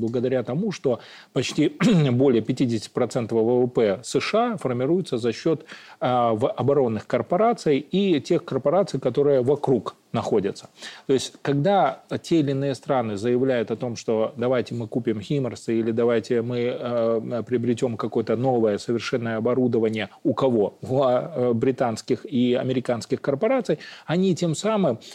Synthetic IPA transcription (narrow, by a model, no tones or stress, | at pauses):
blˠəɡəd̪ɐɾʲat̪ɐmuʂt̪o̞ | pɐt͡ɕtʲibo̞lʲɪjəpʲɪtʲidʲɪsʲtʲtʲɪ̥pɾɐt̪sɛnt̪əvvəvəpɛsɨʂɨafərmʲɪɾujɪt̪səzɐɕːo̞t̪ | vʔɐbɐɾo̞nːɨxkərpɐɾat̪sɨjitʲe̞xkərpɐɾat̪sɨjkɐt̪o̞ɾɨjəvɐkɾuk | nɐxo̞dʲɪt̪sə̥t̪o̞ɪsʲtʲkɐɡd̪atʲeɪlʲɪnɨjəst̪ɾanɨzəjɪvlʲæjʊt̪ɐt̪o̞mʂt̪o̞d̪ɐvajtʲɪmɨkupʲɪmxʲimərsɨilʲɪd̪ɐvajtʲɪmɨ | əpɾʲɪəbɾʲɪtʲo̞mkɐko̞jət̪əno̞vəjəsəvʲɪrʂɛnːəjəɐbɐɾud̪əvənʲɪjəʊkɐvo̞vbɾʲɪt̪anskʲɪxiɐ̰mʲɪɾʲɪkanskʲɪxkərpɐɾat̪sɨjɐnʲitʲe̞msamɨm